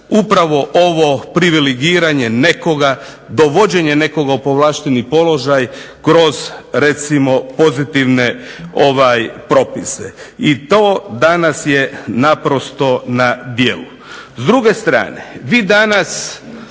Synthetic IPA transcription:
upɾaʋo̞ʔoʋo̞pɾiʋiliɡiːɾaɲene̞ko̞ɡa | d̪o̞ʋo̞d͡ʑe̞ɲene̞ko̞ɡaupoʋlˠaːʃt̪enipo̞lo̞ʒajkɾo̞zɾet̪simo̞po̞zit̪iʋne̞ | oʋajpɾo̞pisḛit̪o̞ːd̪anasje̞napɾo̞st̪o̞nad̪jeːlu | zd̪ɾuɡe̞st̪ɾa̰ːne̞ʋiːd̪anas

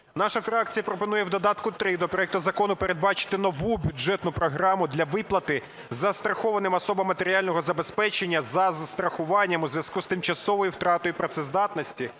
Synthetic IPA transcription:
nɑʃɐfɾɑk̚t͡sʲijɐpɾɔpɔnujɛwd̪ɔd̪ɑt̪kʊt̪ɾɪd̪ɔpɾɔjɛkt̪ʊzɐkɔnʊpeɾe̞d̪̚bɑt͡ʃɪ̥t̪ɪnɔʋubʲʊʒɛt̪nʊpɾɔɦɾɑmʊd̪lʲɐʋɪplˠɐt̪ɪ | zɐst̪ɾɐxɔʋɐnɪmɐsɔbɐmːɐt̪eɾʲialʲnɔɦɔzɐbespɛt͡ʃe̞nʲːɐzɐzɐst̪ɾɐxʊʋɑnʲːɐmuzʲʋjɐskuzt̪ɪmt͡ʃɐsɔʋɔjiwt̪ɾɑt̪ɔjupɾɔt̪sɛzd̪ɑt̪nɔsʲtʲi

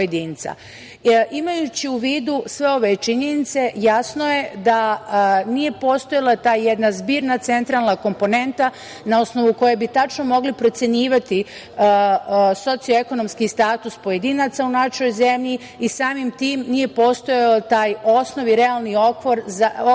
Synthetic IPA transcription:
pojed̪iːnt̪sa̰ | ʔimajut͡ɕiuʋiːd̪usʋe̞o̞ʋe̞t͡ʃiɲe̞nit̪se̞jasnoje̞d̪anije̞po̞ːst̪o̞jalˠat̪aːjjed̪nazbiːɾnat̪se̞nt̪ɾalnako̞mpo̞ne̞nt̪a | nao̞sno̞ʋuko̞jebit̪at͡ʃno̞mo̞ɡlipɾo̞t̪se̞ɲiːʋat̪i | so̞t̪sioe̞ko̞no̞mskist̪aːt̪uspo̞je̞d̪iːnat̪saunaʃo̞jze̞mʎi | isaːmimt̪iːmnije̞po̞ːst̪o̞jeot̪aːjo̞sno̞ʋiɾealˠnio̞kʋoɾza

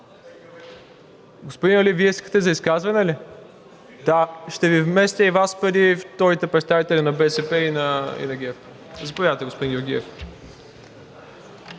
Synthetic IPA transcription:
ɡospod̪inɐliviɛiskə̥t̪ɛzɐiskazvɐnɛli | d̪aʃt̪ɛvivmɛst̪ʲəivaspəɾift̪ɔɾit̪ɛpɾɛt̪st̪avit̪ɛlʲinɐbɛsɛpɛinɐḭnɐɡʲɛf | zɐpovaðət̪ɛɡospod̪injoɾɡʲiɛf

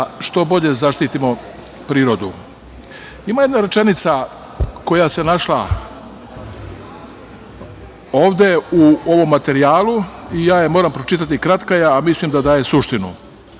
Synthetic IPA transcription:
ʃt̪o̞bo̞ʎe̞zaʃt̪it̪imo̞ | pɾiːɾo̞d̪u | imaje̞d̪naɾe̞t͡ʃenit̪sa | ko̞jase̞naʃla | o̞ːʋd̪e̞uo̞ʋo̞mːat̪e̞ɾijaːluijaːjemoːɾampɾo̞t͡ʃit̪at̪ikɾat̪kajeamislimd̪ad̪aːje̞suʃt̪inṵ

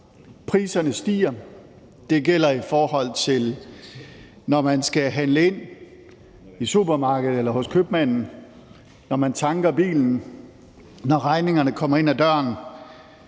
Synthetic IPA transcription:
pʰʁiːsɐnəsd̥ḭːɐ | d̥e̝ɡel̰ɐifɒːɦɒ̽l̰t͡sʰe̝l | nɒmænsɡ̥æɦænləe̝n̰ | isub̥ɐmɑ̈ːɡ̥əð̞̩ˠelɐhɔ̽skʰøb̥mæn̰n̩ | nɒmænt͡sʰɑ̈ŋɡ̥ɐb̥ḭːln̩ | nɒʁɑ̈ɪne̝ŋɐnəkʰɒ̽m̰ɐe̝n̰æd̥ɶɐn

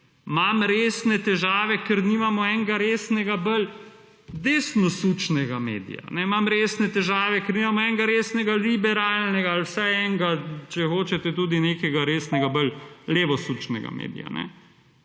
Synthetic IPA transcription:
mamɾeːsnɛt̪ɛʒaːʋɛkəɾniːmamɔɛŋɡaɾeːsnɛɡabəl | d̪eːsnɔsut͡ʃnɛɡamḛːd̪ḭja̰nɛmamɾeːsnɛt̪ɛʒaːʋɛkəɾniːmamɔɛŋɡaɾeːsnɛɡalibɛɾaːlnɛɡaːlwsaɛŋɡat͡ʃɛxoːt͡ʃɛt̪ɛt̪uːd̪ineːkɛɡaɾeːsnɛɡabəlleːʋɔsut͡ʃnɛ̰ɡa̰mḛːd̪ḭja̰nɛ̰

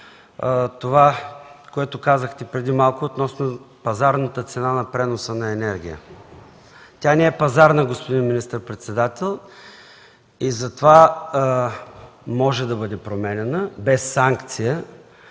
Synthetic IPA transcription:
t̪ovakoɛt̪ʊkazəxt̪ɛpɾɛd̪imalˠkoːt̪nɔsno | pɐzaɾnət̪ət̪sɛnanɐpɾɛnosənɐɛnɛɾɡʲijə̰ | t̪ʲjanɛɛpɐzaɾnəɡospod̪inminist̪əɾpɾɛt̪sɛd̪at̪ɛlˠ | izɐt̪ova | mɔʒɛd̪ɐbɤd̪ɛpɾomɛnʲɛnəbɛsːaŋkt̪sijə

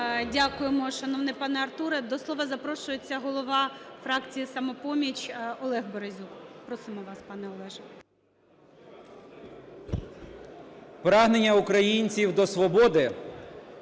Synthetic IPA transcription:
dʲakʊjemɔʃɐnɔʋnɛpɑnɛɐrt̪uɾɛd̪ɔslˠɔʋɐzɐpɾɔʃʊjet͡sʲːɐɦɔlˠɔʋɑfɾɑkt͡sʲijisɐmɔpɔmʲit͡ʃʲɔlˠɛɣbɔɾezʲukpɾɔsɪmɔʋɑspɑnɛɔlˠɛʒɛ | pɾɑɦnenʲːɐukɾɐjinʲt͡sʲiwd̪ɔsʋɔbɔd̪ɪ

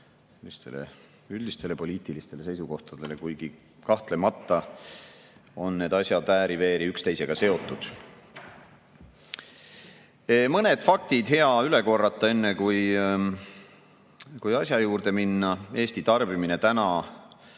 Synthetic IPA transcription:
selːist̪e̞̰lḛ | yld̪ist̪e̞le̞po̞lʲiːt̪ːˑilist̪e̞le̞se̞jsuko̞ht̪ɑd̪̥e̞lekujɡ̥i | kɑht̪le̞mɑt̪ˑːɑ | o̞nːe̞ːd̪ɑsʲjɑt̪æːɾive̞ːɾiykst̪e̞jse̞ɡ̥ɑse̞o̞t̪ːˑud̪̥ | mɤne̞d̪̥fɑk̚t̪id̪̥he̞ɑyle̞ko̞rːɑt̪ˑːɑe̞nːekuj | kujɑsʲjɑjuːrd̪e̞minːɑe̞ːst̪it̪ɑrb̥imine̞t̪ænɑ

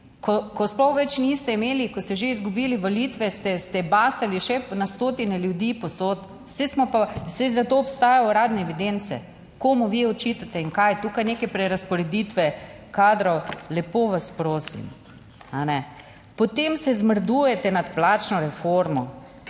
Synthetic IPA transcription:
kɔkɔsplɔxʋɛt͡ʃnist̪ɛimeːlikɔst̪ɛʒeizɡubiːliʋoliːt̪ʋɛst̪ɛst̪ɛbaːsaliʃɛnast̪oːt̪inɛljud̪iːpɔsot̪ | sɛsmɔpasɛzat̪oɔpst̪aːjawɾaːd̪nɛːʋid̪ent̪sɛ̰ | koːmuʋiɔt͡ʃit̪at̪ɛiŋkajt̪uːkajnekɛpɾɛɾaspɔɾɛd̪it̪ʋɛ | kaːd̪ɾɔwlɛpoʋaspɾoːsḭm | a̰nɛ | pɔt̪emsɛzməɾd̪uːjɛt̪ɛnat̪plaːt͡ʃnɔɾɛfoɾmɔ

